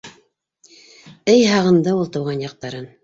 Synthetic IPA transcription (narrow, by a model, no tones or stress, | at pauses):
ɘjɦɑʁɤ̆nd̪ɤulˠt̪ɤ̆wʁɑnjɑq̚t̪ɑɾɤn